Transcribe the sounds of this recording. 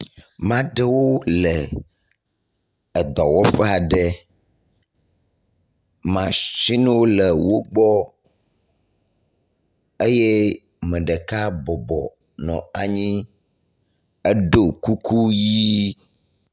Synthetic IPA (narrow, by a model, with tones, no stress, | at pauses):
mã˦ɖe˦wo˦le˨ | d̪ɔ˨wɔ˦ɸɛ˦a˨ɖe˨ | mã˨ʃi˦nɛ̃˦wo˦le˨wo˦ɡ͡bɔ˦ | e˦je˦ | mɛ̃˨ɖe˨ka˦bɔ˨bɔ̰˨ | nɔ̰̃˨a˨ɲĩ˦ | e˦ɖo˦˨ku˦ku˦ji˦